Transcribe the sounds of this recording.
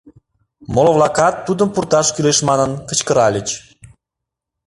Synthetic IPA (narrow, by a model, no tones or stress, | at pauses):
moloβlɑkɑt̪ːud̪əmpurt̪ɑʃkyleʃmɑnənkə̆t͡ɕkəɾɑlʲət͡ɕ